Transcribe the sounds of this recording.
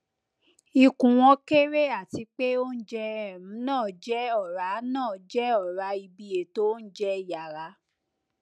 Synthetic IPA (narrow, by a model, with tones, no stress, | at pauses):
i˧kũ˨w̃ɔ̃˧ke˦ɾe˦a˦˨ti˧k͡pe˦o˦n̩˦d͡ʒɛ˧ɛ˦˨m̩̃˨˦nãː˦˨d͡ʒɛ˦ɔ˦˨ɾa˨˦nãː˦˨d͡ʒɛ˦ɔ˨ɾa˧i˧bi˧e˨˦to˦n̩˦d͡ʒɛ˦˨ja˨ɾa˧˦